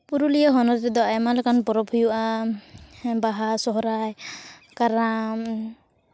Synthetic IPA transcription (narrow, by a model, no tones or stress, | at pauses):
puɾulijaɦɔnɔɾɾɛd̪ɔajmalakanpɔɾɔbʰʱujuʔa | baɦasɔɦɔɾajkaɾam